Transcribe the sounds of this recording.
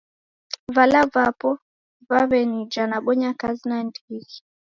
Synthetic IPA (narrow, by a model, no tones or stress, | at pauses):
valavapɔ | vaβɛnid͡ʒanaɓɔɲakazinandiɣi